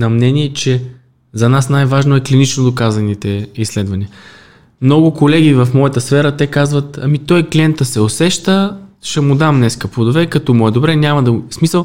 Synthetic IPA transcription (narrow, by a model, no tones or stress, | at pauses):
nɐmnɛniɛt͡ʃɛ | zɐnasnajvaʒnoɛklinit͡ʃnod̪okazɐnit̪ɛislɛd̪vɐniə | mnɔɡʊkolɛɡivɐfmɔjət̪əsfɛɾət̪ɛkazvɐt̪ɐ̰mit̪ɔjkliɛnt̪əsɛosɛʃt̪əʃɛmʊd̪amnɛskɐpod̪ovɛkɐt̪ɔmɔɛd̪obɾɛnʲamɐd̪ɐsmisəlˠ